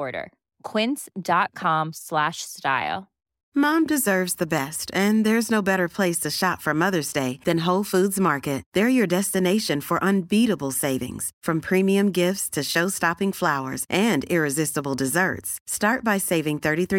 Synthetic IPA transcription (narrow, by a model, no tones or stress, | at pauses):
ɹɾə̰˞ | kʰw̥ɪ̃nsd̥ɑt̚kʰɑ̃mslæʃsta̰ɪlˠ | mɑ̃mdɨzɜ˞vzðɨbɛstɨ̃nðə˞ɨznoʊbɛɾə˞pʰl̥eɪstʰɨʃɑtfə˞mʌðə˞zdeɪðɨ̃nɦoʊlˠfudzmɑɹkɨt̪̚ðə˞jə˞dɛstɨneɪʃɨ̃nfə˞ʔə̃nbiɾəbl̩ˠseɪvɪ̰̃ŋz̥fɹʌ̃mpʰɹ̥ĩmiɨ̃mɡɪftstʰɨʃoʊstɑpɪ̃ŋflaʊə̰˞zʔɨ̃ndɪɹɨzɪstəbl̩ˠdɨzɜ̰˞tstɑɹt̚b̥aɪseɪvɪ̃ŋθɜ˞ɾiθɹ